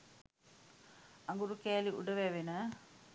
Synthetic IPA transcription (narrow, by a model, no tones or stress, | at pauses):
ɐŋɡuɾukeːliʔʊ̰ɽɐʋeːʋinɐ